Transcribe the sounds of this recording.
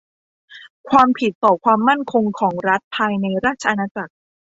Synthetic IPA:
kʰwaː˧mpʰi˨˩t̪ːɔː˨˩kʰwaː˧mːa˥˩nkʰo˧ŋkʰɔː˩˦ŋɾa˦˥t̪̚pʰaː˧jna˧jɾaː˥˩t̪̚t͡ɕʰa˧ʔa˧naː˧t͡ɕa˨˩k̚

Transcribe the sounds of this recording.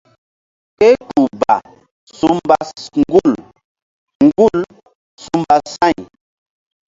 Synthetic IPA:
kɛ˦tu˨ba˨ | su˦mba˦ŋɡu˦˨l | ŋ˨ɡu˦˨l | su˦mba˦sa˦˨ɲ

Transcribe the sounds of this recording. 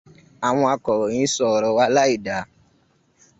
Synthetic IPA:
a˨w̃ɔ̃˧a˧kɔ˨ɾɔ˨ɲĩ˨˦sɔ˨ɾɔ˨˦wa˧˦la˦i˦˨da˨˦

